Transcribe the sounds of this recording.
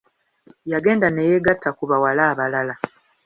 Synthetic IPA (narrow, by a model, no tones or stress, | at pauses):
jaɡe̞ːndanejeɡatʰːakuβawalaːβalala